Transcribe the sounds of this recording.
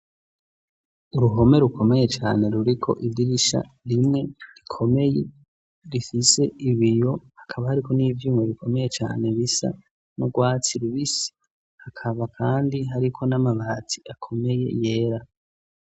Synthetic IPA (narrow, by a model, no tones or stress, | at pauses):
uɾuɦo̞me̞ɾukʰo̞me̞je̞t͡ʃa̰ːne̞ɾuɾikʰo̞̰ʔidiɾiʃa̰ | ɾimŋe̞ɾikʰo̞me̞je̞̰ | ɾifise̞iβijo̞hakʰaβahaɾiko̞niːvjuːmŋe̞βikʰo̞me̞je̞t͡ʃa̰ːne̞βisa̰ | noɡwaːt͡siɾuβisi̥ | hakʰaβakʰaːndiɦaɾikʰo̞namaβat͡si̥akʰo̞me̞je̞̰je̞ːɾa